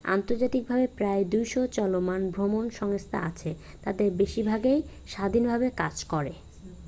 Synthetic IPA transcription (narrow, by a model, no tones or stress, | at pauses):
a̰nt̪oɾd͡ʑat̪ik̚bʱabepɾaed̪ujʃot͡ɕɔlomanbʱɾomonʃɔŋst̪ʰa̰a̰t͡ɕʰe | t̪ad̪eɾbeʃibʱaɡej | ʃad̪ʱinbʱabekad͡ʑkɔɾe